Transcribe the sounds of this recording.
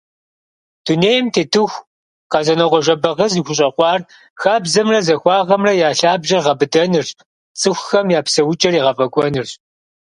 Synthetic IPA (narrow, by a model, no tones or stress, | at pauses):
d̥uneːjmtʰeːtʰɨxʷ | qɑzɐnɐʁʷɔʒɐbɐʁəzixʷʊɕ̬ʼɐqʷɑːr | xaːbzɐmrɐzɐxʷɑːʁɐmrɐjaːɬaːbʒɐrʁɐbɨdɐnɨrɕ | t͡sʼɨxʷxɐmjaːpsɐwʊt͡ʃʼɐriːʁɐfʼɐkʷʼɔnɨrɕ